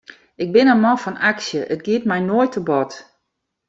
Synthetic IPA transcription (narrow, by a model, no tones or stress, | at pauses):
ɪɡ̚bɪnənmɔnfɔnaksjəʔət̚ɡiət̚mɛjnoəjtʰəbɔt